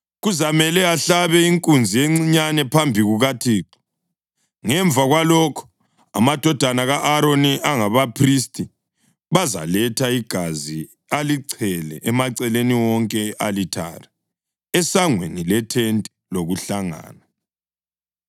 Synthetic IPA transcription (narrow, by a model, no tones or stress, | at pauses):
ɣuzamɛlɛaɬaβɛiŋkʼund͡zʱijeŋ͡ǀiɲanɛpʰambʱiɣuɣatʰiːǁɔ̥ | ŋɛɱb̪vʱaɣwalɔkʰɔ̥ | a̰mad̥ʱɔd̥ʱanaɣaʔːɾoniʔaŋaβapʰristʼi | βaza̰lɛtʰaiɡ̥ʱazi | aliǀʰɛlɛ̰ʔɛmaǀɛleniwɔŋkʼɛʔalitʰa̰ɾa | ɛsaŋwḛnilɛtʰentʼiloɣuɬaŋa̰ːna